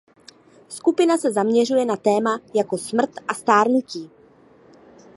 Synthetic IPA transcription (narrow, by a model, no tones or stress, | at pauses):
skupɪnasɛzamɲɛr̝ujɛnat̪ɛːmajako̞smr̩t̪ʔast̪aːɾnuciː